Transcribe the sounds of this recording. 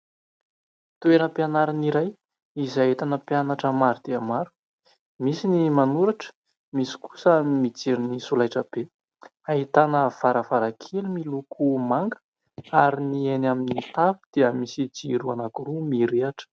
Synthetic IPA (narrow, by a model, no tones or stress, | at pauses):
t̪ueɾəpjanaɾaniɾaj | izaɦet̪anəpjanaʈ͡ʂəmaɾud̪̥eamaɾu̥ | misinimanuɾaʈ͡ʂə̥ | misi̥ku̥saimid͡zeɾinisulajʈ͡ʂəb̥e | aɦit̪anəv̥aɾəvaɾakʰelumilukʰumaŋɡə̥ | aɾinienaminit̪afud̪̥eəmisid͡ziɾuanakuɾumiɾeaʈ͡ʂə̥